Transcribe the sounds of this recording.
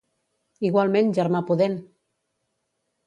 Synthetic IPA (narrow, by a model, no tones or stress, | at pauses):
iɣwalˠmẽnʒəɾmapuðen